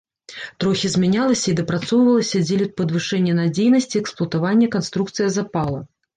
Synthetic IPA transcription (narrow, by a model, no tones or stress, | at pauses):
t̪ɾɔxʲizmʲɛnʲalˠɐsʲɐid̪ɐpɾat̪sɔvwvɐlˠɐsʲɐd͡zʲelʲɪt̪̚pɐd̪vɨʂɛnʲːɛnad͡zʲejnɐsʲt͡sʲiɛksplˠɐt̪avanʲːɐkanst̪ɾukt̪sɨjɐzapalˠɐ